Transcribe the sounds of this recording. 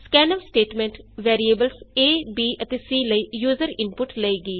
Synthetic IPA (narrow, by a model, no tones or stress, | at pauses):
skɛːnəʋsʈeːʈmɛ̃ːɳʈʋɛːɾieːbəlseːbiːʔət̪eːsiːləiːjuːzəɾɪnpʊʈləiːɡiː